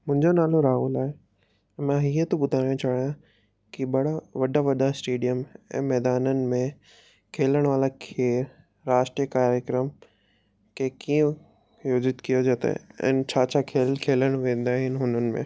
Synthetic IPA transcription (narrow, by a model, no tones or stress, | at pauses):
mʊ̃ɦɪ̃ɲd͡ʑonaːloɾaːɦuːlaːɦe | mãɦiːət̪opʊd̪ʱaːɽijõt͡ɕaːɽijã | kiɓɐɽ̤aʋɐɗaʋɐɗasʈeːɖijəmɛ̰̃ːmɛːd̪aːnənɪ̆mẽ | kʰeːləɽ̃ʋaːlakʰeːɾ | ɾaːʃʈɾijəkaːɾjəkɾəm | kʰekiə̃ | joːd͡ʑɪt̪kijod͡ʑɐt̪ḛɛ̰̃ːnt͡ɕʰaːt͡ɕʰakʰeːlkʰeːləɽ̃ʋẽːnd̪aːɦɪnɪɦʊnənɪ̆mḛ̃ː